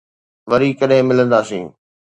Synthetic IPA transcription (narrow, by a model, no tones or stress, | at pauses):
ʋɐɾikɐɗɦẽmɪlə̃nd̪aːsḭ̃ː